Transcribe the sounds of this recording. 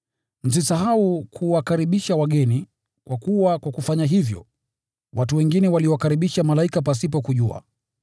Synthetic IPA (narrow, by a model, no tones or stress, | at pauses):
m̩s̬isaɦaukʰuwakaɾiɓiʃawaɠɛni | kwakuwakwakufaɲaɦivjɔ̰ | wʔatuwɛŋɡinɛwaliɔwakaɾiɓiʃamalaikap̬as̬ip̬ɔkuʄua̰